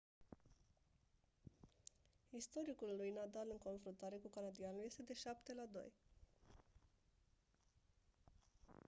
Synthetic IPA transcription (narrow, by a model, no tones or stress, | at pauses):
ist̪o̞ɾikulːujnad̪alɨŋko̞nfɾunt̪aɾe̞kukanad̪ianulje̞st̪e̞d̪e̞ʃapt̪e̞lad̪o̞̰j